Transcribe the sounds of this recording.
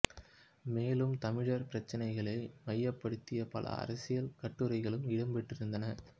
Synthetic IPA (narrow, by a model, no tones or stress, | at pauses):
meːlɯmt̪ɐmɪɻɐɾpɪɾɐt͡ʃːɐnɐɪɣɐɭɐɪmɐjːɐpːɐɽɯt̪ːɪjɐpɐlɐ̰ɐ̰ɾɐsɪjɐlkɐʈːɯɾɐɪɣɐɭɯmɪɽɐmbɛʈːɪɾɯnd̪ɐnɐ